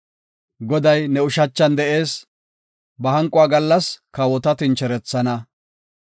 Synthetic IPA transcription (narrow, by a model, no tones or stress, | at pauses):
ɡɔd̪ɐjnɛʊʃɐt͡ʃːɐnd̪ɛʔe̞ːs | bɐhɐŋkʼʊaːɡɐlːɐskɐwɔt̪ɐt̪ɪnt͡ʃɛɾɛt͡sːɐnɐ